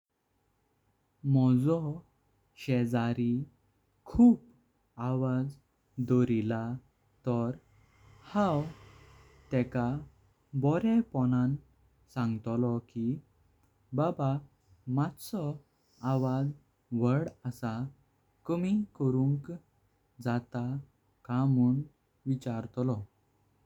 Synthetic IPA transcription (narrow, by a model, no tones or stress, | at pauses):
mɔd͡zɔ | ɕɛd͡zaɾi | kʰuːp | aʋad͡z | d̪ɔɾila | t̪ɔɾ | hãw | t̪ɛka | bɔɾɛpɔnãn | sãŋɡt̪lɔki | baba | mat̪sɔ | aʋad͡z | ʋəɽəsa | kəmikəɾũŋk | d͡zat̪a | kamuːn | ʋit͡ɕaɾt̪lɔ